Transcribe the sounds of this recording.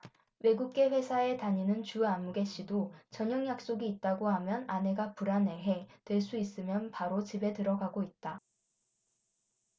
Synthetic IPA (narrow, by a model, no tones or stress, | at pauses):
we̞ɡuk̚k͈e̞ɸwe̞sʰae̞taɲinɯnt͡ɕuamːuɡe̞ɕ͈idot͡ɕʌɲʌŋjak̚s͈oɡiːt̚t͈aɡoɦamjʌnane̞ɡapuɾane̞ɦe̞twe̞ɭs͈uis͈ɯmjʌnpaɾot͡ɕibe̞tɯɾʌɡaɡoit̚t͈a